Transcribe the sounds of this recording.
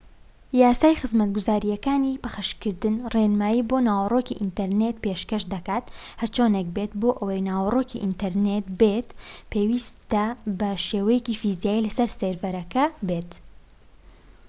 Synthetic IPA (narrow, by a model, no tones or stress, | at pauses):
jaːsaːjxɨzmɐt̪̚ɡuzaːɾijɐkaːnipɐxɨʃkɨɾd̪ɨnreːnmaːjiboːnaːwɐroːkiʔint̪ɐɾnet̪̚peʃkɐʃd̪ɐkaːt̪hɐɾt͡ʃoːnek̚bet̪boːʔɐwɐjnaːwɐroːkiʔint̪ɐɾneːt̪bet̪pʰeːwiːst̪ɐbɐʃeːwɐjeciːfizjaːjilɐsɐɾseɾvɐɾɐkɐbet̪